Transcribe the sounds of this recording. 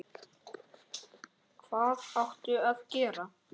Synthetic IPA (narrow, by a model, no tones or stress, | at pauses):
kʰv̥aːðawht̪ʏavcɛːɾa